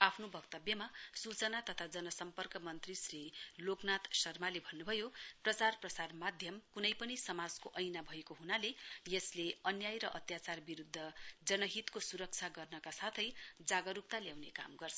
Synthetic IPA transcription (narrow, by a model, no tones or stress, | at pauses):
apʰnobʱʌkt̪ʌbjʌmasut͡sʌnat̪ʌt̪ʰad͡zʌnʌsʌmpʌrkʌmʌnt̪risriloknat̪sʌrmalebʱʌnːubʱʌjoprʌt͡sarprʌsarmad̪ʱjʌmkunʌjpʌnisʌmad͡zkoʔʌjnabʱʌekoɦunalejʌsleʌnjajɾʌʔʌt̪jat͡sarbiɾud̪ʱːʌd͡zʌnʌɦit̪kosuɾʌk̚t͡sʰaɡʌrnʌkasat̪ʰʌjd͡zaɡʌɾukt̪aljawnekamɡʌrt͡sʰʌ